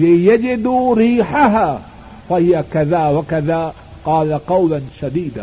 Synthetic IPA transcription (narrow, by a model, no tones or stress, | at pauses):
lɪjad͡ʒɪd̪ɾiːħaɦaː | fahɪjakaðaːwakaðaː | qɑːlaqɑwlanʃad̪iːd̪a